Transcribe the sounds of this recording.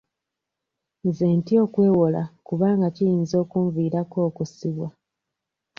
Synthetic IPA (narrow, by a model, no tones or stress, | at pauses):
nzeːntio̞ːkwe̞ːwo̞la̰kuβaːŋɡacijiːnzo̞ːkuɱviːɾako̞ːkusiβwa